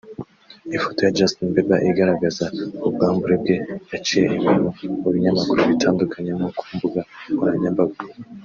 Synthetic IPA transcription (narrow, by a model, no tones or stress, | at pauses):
ifoto̞jad͡ʒastinbeba̰ʔiɡaɾaɡazakubɡaːmbuɾe̞b̚ɡe̞jat͡ʃije̞ʔiminouβiɲamakuɾuβitaːndukʰaɲemokʰuːmbuɡakuɾaɲabaɡu